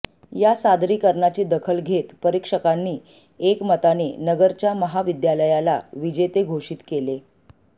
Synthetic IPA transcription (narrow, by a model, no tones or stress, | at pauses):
jasad̪ɾiːkəɾɳat͡ɕiːd̪əkʰəlɡʱet̪pəɾikʂəkanːiː | ekmət̪anḭːnəɡəɾt͡ɕjaməɦaʋid̪jaləjala̰ʋid͡ʑet̪eɡʱoʂiːt̪kele